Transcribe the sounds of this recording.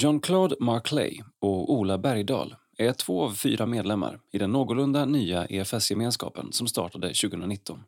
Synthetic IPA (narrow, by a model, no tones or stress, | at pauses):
jɔnkʰlɑːd̪maɾkʰlɛ̰jɔuːlabæɾjd̪ɑ̰ːl | æʈʰv̥oːavfyːɾameːd̪lɛmːa̰ɾɪd̪ɛnːoːɡʊlɵnd̪anyːaʔeɛfɛsjɛmeːnskɑ̰ːpə̰nsɔmst̪ɑ̰ːʈad̪əɕʉːɡəhɵnɾanɪt̪ːɔn